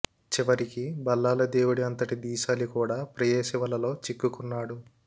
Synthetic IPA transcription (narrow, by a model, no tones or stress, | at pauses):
t͡ʃiʋɐɾikibɐlːaːlɐd̪eːʋuɽiɐnt̪ɐʈid̪iːʃaːlikuːɽaːpɾɐjeːʃiʋɐlɐlo̞ːt͡ʃikːukunːaːɽu